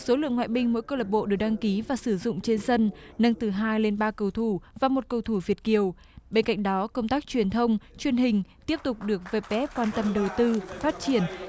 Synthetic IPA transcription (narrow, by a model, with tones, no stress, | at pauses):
so˨˦lɨ̰˧˨əŋwa̰ː˧˨jɓï˧ŋ̟mo̰˧˥jkə˧lə˨˩p̚ɓo̰˧˨ɗɨ˨˩ək̚ɗa˧ŋki˨˦vaː˨˩sɨ˧˩zʊ̰˧˨ŋ͡mt͡ɕe˧nsə˧nnə˧ŋt̪ɨ˨˩ɦaː˧jle˧nɓaː˧kə˧˩wt̪ʰu˧˩vaː˨˩mo˨˩t̚kə˧˩wt̪ʰu˧˩vi˨˩ət̚ki˨˩əw | ɓe˧nka̰˧˨ŋ̟̚ɗɔ˨˦kə˧wŋ͡mt̪aː˦˥k̚t͡ɕwi˨˩ənt̪ʰə˧wŋ͡mt͡ɕwi˨˩ənɦï˨˩ŋ̟t̪i˦˥əp̚t̪ʊ˨˩k͡p̚ɗɨ˨˩ək̚ve˨˩p̚ɓɛ˦˥p̚kwaː˧nt̪ə˧mɗə˨˩wt̪ɨ˧faː˦˥t̚t͡ɕi˧˩ən